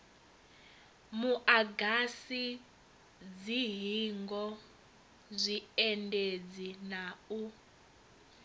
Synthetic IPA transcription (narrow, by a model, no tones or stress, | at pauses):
muʔaɡasi | d͡ziɦiŋɡɔ | zʷiɛnded͡zinau